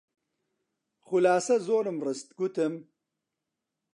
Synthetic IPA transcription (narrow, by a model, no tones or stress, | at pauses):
χʊlaːsɐzoːɾɨmrɨst̪ɡut̪ɨm